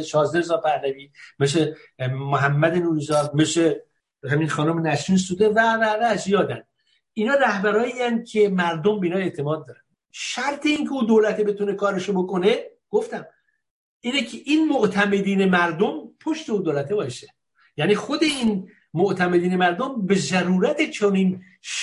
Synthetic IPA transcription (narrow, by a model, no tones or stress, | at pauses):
ʃɒːznezɒːpʰæhlæviːmeʃ̬emoɦæmːæd̪enuːɾiːzɒːd̪̚meʃe | hæminxɒːnomenæʃɾiːnsuːd̪evævævæːd͡ʒjɒːd̪ænd̪ | inɒːɾæhbæɾɒːiæn̚cʰe̞mæɾd̪ombeinɒe̞ʔt̪ʰe̞mɒːd̪̚ːɒːɾænd | ʃæɾt̪ʰe̞incʰeuːd̪oːlæt̪ʰebe̞t̪une̞kʰɒːɾeʃobo̞ko̞ne̞ | ɡ̥oft̪æm | ʔiːnecʰeʔinmoʔt̪ʰæme̞d̪iːne̞mæɾd̪ompʰoʃt̪e̞uːd̪oːlæt̪ʰebɒːʃe | jæniːxo̞d̪e̞in | moʔt̪ʰæmed̪iːnemæɾd̪ombe̞zæɾuːɾæt̪ʰet͡ʃʰoniːn | ʃ